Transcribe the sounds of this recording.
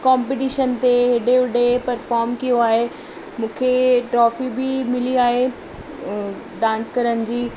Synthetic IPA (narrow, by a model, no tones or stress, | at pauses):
kãːmpeʈiːʃənt̪eɦɪɖeʊɖepɐɾfɔːɾmkijoaːɦe | mũːkʰeʈɾɔːfibɪmɪliaːɦe | ɖãːnskɐɾənɪ̆d͡ʑiː